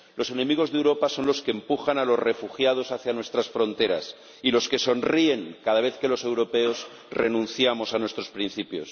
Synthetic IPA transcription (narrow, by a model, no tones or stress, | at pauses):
lo̞senẽ̞miɣ̞o̞zðewɾo̞paso̞nlo̞skeːmpuxanalo̞zre̞fuxjað̞o̞saθjanwest̪ɾasfɾo̞nt̪e̞ɾa̰s | ilo̞ske̞so̞nrie̞ŋkaðaβe̞θke̞lo̞se̞wɾo̞pe̞o̞s | re̞nũn̟θjamo̞sanwe̞st̪ɾo̞spɾinθipjo̞̰s